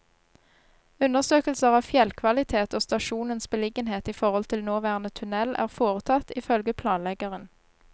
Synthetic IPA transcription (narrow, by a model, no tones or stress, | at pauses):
ʉnəʁsøːkəlsəʁɑːʋfjɛlkʰʋɑlɪt̪ʰeːt̪oːst̪ɑʃuːnənsbəlɪɡənheːt̪iːfɔʁhɔlt̪ʰɪlnoːʋæːʁnət̪ʰʉnɛlʔæ̰ːʁfoːʁət̪ʰɑt̪iːfœlɡəpʰlɑːnlɛɡəʁən